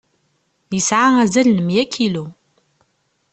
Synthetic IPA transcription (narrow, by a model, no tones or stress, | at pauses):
əsʕaæzælnəmjækilu